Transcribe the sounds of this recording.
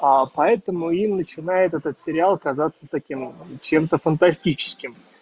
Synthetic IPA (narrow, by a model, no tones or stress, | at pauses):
apɐɛt̪əmʊimnət͡ɕɪnajɪt̪ɛt̪ət̪sʲɪɾʲɪalˠɐkɐzat̪sət̪ɐkʲimt͡ɕe̞mt̪əfənt̪ɐsʲtʲit͡ɕɪ̥skʲɪm